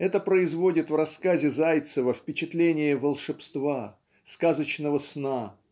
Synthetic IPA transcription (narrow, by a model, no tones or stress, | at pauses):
ɛt̪əpɾəɪzvo̞dʲɪt̪vrɐskazʲɪzajt̪səvəfpʲɪt͡ɕɪt̪lʲenʲɪjəvəlˠʂɨpst̪va | skazət͡ɕnəvəsna